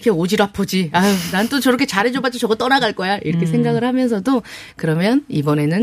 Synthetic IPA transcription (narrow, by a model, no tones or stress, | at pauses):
kʰe̞od͡ʑiɾapʰod͡ʑianannt͈ot͡ɕʌɾʌkʰe̞t͡ɕaɾɦed͡ʑobat͡ɕ͈it͡ɕʌɡʌt͈ʌɾaɡaɭk͈ʌjaʔiɾʌkʰe̞s̬ʰeŋɡaɡɯɭhamjʌnsʰʌdo | kɯɾʌmjʌnibʌne̞nɯn